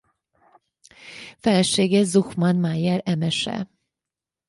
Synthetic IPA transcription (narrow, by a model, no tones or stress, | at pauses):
fɛlɛʃeːɡɛzuxmɒnmajɛɾɛmɛʃɛ̰